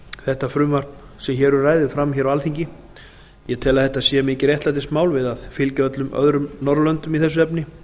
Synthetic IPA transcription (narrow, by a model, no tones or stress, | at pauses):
θɛht̪afɾʏːmar̥pnsɛmçɛːɾʏɾraːjðɪfɾamçɛɾawalθiɲcɪ | jɛt̪ʰɛːlaðθɛht̪asjɛmɪːcɪɾjɛht̪lat̪̬ɪst̪maːwlvɪðaðfɪlcaœt̪lʏmœ̰ðɾʏmnɔɾlœnt̪ʏmiθɛs̬ːʏɛpnɪ